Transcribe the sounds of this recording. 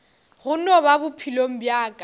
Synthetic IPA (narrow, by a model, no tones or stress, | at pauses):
ɣʊnɔβabʊpʰilom̩bjaːkʼa